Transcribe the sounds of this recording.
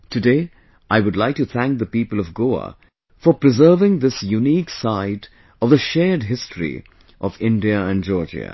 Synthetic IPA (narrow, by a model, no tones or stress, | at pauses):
tʰɨdeɪ | ʔaɪwʊdˡlaɪk̚tɨθæ̃ŋk̚ðəpipəlˠʌvɡoə̰ | fə˞pɹɨzɜ˞vɪ̃ŋðɪsjuniksaɪɾ | ʌvðəʃɛd̚ɦɪstɹḭ | ʔʌvɪ̃ndiəæ̃nd͡ʒɔːɹd͡ʒə̰